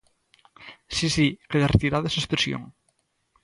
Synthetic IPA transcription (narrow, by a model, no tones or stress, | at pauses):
sisikeðeret̪iɾaðesespɾesjo̰ŋ